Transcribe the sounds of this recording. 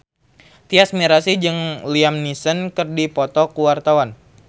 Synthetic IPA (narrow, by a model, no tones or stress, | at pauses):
t̪iasmiɾasid͡ʒɨŋliamnisənkɨrdipɔt̪ɔkuwart̪awan